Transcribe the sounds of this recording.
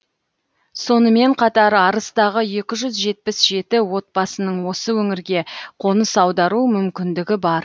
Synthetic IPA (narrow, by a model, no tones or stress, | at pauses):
so̞nəme̞ɴqʰɑt̪ɑɾɑɾəst̪ɑʁəje̞kʲɪʒʏzʒe̞t̪̚pɪsʒe̞t̪ɪwo̞t̪̚bɑsənəɴwo̞səwɵŋɪɾɡʲe̞qʰo̞nəsɑwd̪ɑɾumʏmkʲɪnd̪ɪɡʲɪbɑɾ